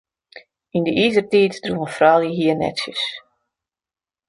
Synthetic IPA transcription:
indəʔizərtiːtdruəfrɔːljəɦiːənɛ̰tsjəs

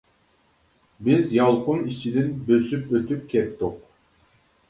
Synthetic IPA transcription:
bizjɑlˠqʰunit͡ʃʰid̪ɪnbøsypøt̪yp̚kʲʰɛp̚t̪ːuq̚

